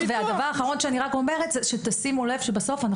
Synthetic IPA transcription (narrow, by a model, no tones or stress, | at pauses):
veavd̪avaʁaːχaʁo̞nʃeaniʁako̞me̞ʁet̪zeʃet̪asimule̞vʃebaso̞fana